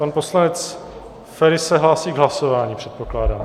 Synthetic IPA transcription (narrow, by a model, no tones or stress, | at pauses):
panpo̞slanɛt͡s | fɛɾɪsɛɦlaːsiːɡɦlaso̞vaːɲipr̝̥ɛt̪̚po̞klaːdaːm